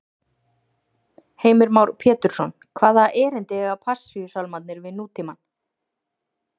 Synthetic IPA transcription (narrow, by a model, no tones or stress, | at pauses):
heːjmɪɾmawɾpʰɛːt̪ʏɾ̥sɔn | kʰvaːðaʔɛːɾɪnt̪ɪɣapʰasːʏjʏsawlmat̪nɪɾvɪðnuːt̪ʰiman